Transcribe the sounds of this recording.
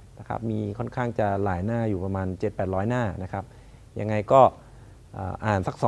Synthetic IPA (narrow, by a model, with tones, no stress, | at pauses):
na˦˥˩kʰɾa̰˦˥p̚miː˧kʰɔ˥˩nkʰaː˥˩ŋt͡ɕa˨˩laː˩˦jnaː˥˩juː˨˩pɾa˧maː˧nt͡ɕe˨˩t̪̚pɛː˨˩t̪̚ɾɔː˦˥jnaː˥˩na˦˥kʰɾa˦˥p̚ | ja˧ŋːa˧jkɔː˥˩ | ʔaː˨˩ʔaː˨˩nsa˦˥k̚sɔː˨˩˦